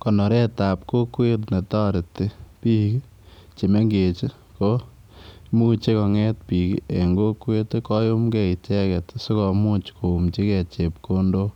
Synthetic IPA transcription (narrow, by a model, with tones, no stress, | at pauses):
kɔ˨nɔ˨ɾɛ˦ta˨pko˦kwe˦tnɛ˨tɔ˦ɾɪ˨te˦pi˦ki˦ | t͡ʃe˨me˦ŋɡe˨t͡ʃi˦ | ko˦ | mu˦t͡ʃe˦kɔ˨ŋɛ˦tpi˨kie˨ŋɡo˦kwe˦tkɔ˦jo˦mkɛ˨i˨t͡ʃɛ˦kɛ˨tso˦kɔ˨mu˦t͡ʃkʰo˨u˨mt͡ʃi˦kɛ˨t͡ʃe˨p̚ko˦ndo˦